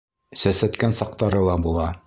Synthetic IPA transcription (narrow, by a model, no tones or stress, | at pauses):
sæsæt̪kænsɑq̚t̪ɑɾɤlˠɑbulˠɑ